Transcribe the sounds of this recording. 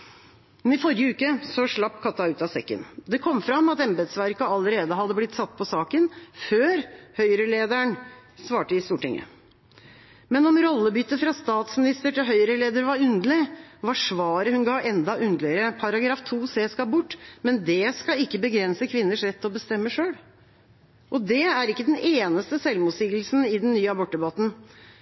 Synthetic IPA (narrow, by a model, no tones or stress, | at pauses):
mɛnɪfɔɾjəʉːkəsɔʂɭɑpːkʰɑt̪ːɑʉːt̪ɑsɛkːə̰nd̪ɛkʰɔmːfɾɑmːɑt̪ɛmbɛd̪sʋæɾkɑɑləɾeːd̪əɦɑd̪ːəblɪt̪ːsɑt̪ːpʰɔsɑːkənføːɾhœʏɾəleːd̪æɳsʋɑːʈəɪst̪uːʈɪ̰ŋːə̰ | mɛnɔmɾɔlːəbʏt̪ːəfɾɑst̪ɑːt̪smɪnɪst̪əʈɪlɦœʏɾəleːd̪əɾʋɑɾʉnd̪əlɪʋɑʂʋɑːɾəhʉnɡɑːʔɛnd̪ɑʔʉnd̪lɪəɾəpʰɑɾɑɡɾɑːft̪ʰuːseːskɑbʊʈːmɛnd̪ɛskɑɪkːəbəɡɾɛnsəkʰʋɪnːəʂɾɛt̪ːɪɔbəst̪ɛmːəʂøːɽ | ʔɔd̪ɛæɾɪkːəd̪ɛneːnəst̪əsɛlʋmuːd̪siːɡl̩snɪd̪ɛnnyːəɑbɔʈ̪̚ːəbɑt̪n̩